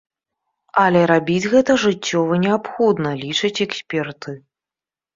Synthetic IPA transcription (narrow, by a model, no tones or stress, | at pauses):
ɐlʲɛɾabʲid͡zʲɣɛt̪ɐʐɨt͡sʲːɔvɐnʲɛapxɔd̪nɐlʲit͡ʂɨt͡sʲɛksʲpʲɛrt̪ɨ